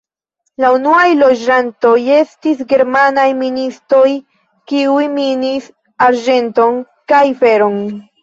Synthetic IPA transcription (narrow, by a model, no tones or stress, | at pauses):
launuajlo̞d͡ʒanto̞je̞stisɡe̞ɾmanajministɾo̞j | kiujminis | aɾd͡ʒe̞nto̞n | kajfe̞ɾo̞n